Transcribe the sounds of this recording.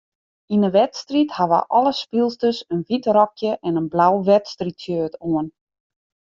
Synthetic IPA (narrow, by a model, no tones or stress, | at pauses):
inəʋɛtstrithaʋə̰ʔɔlˠəspilˠstəsənʋitrɔkjəʔɛnənblawʋɛtstritsjøːtʰoən